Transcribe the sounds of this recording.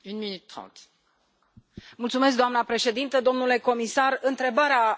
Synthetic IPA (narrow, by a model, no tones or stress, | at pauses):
ynminyt̪ːχɑ̰̃t̪ | mult̪sumes̬kd̪oamnəpɾe̞ʃe̞d̪int̪əd̪o̞mnule̞ko̞misarɨnt̪ɾe̞baɾea